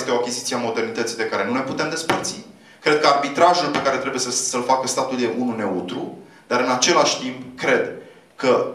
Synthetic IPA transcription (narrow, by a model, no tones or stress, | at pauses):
st̪eoakʲizit̪sieamo̞d̪e̞rnit̪ət̪sid̪e̞kaɾe̞nune̞put̪e̞md̪e̞spərt̪si | kɾe̞d̪̚kəarbit̪ɾaʒulpe̞kaɾe̞t̪ɾe̞bujesəsəlfakəst̪at̪uld̪eʔunune̞ut̪ɾu | d̪̥aɾɨnat͡ʃe̞laʃʲt̪impkɾe̞d̪ | kə